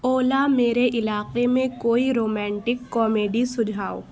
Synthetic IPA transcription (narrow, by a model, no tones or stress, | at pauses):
oːlameːɾeʔɪlaːqemẽkoːiɾoːmɛ̃ːɳʈɪkːɔːmeːɖisʊd͡ʒʱaːo̰ː